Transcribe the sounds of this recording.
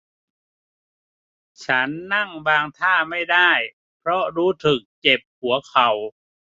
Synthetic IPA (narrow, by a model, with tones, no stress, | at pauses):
t͡ɕʰa˦˥nːa˥˩ŋbaː˧ŋt̪ʰaː˥˩ma˥˩jdaː˥˩j | pʰɾɔ˦˥ɾuː˦˥t̪ʰɯ˨˩k̚ːe˨˩p̚hu˩˦ɐkʰa˨˩w